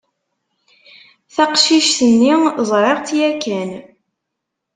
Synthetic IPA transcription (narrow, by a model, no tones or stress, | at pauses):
θɑqʃiʃθənːizˤɾˤeʁt̪jækːæn